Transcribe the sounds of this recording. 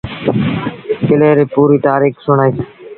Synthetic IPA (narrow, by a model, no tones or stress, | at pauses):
kɪleːɾeːpuːɾiːt̪aːɾiːxsʊɳaːiː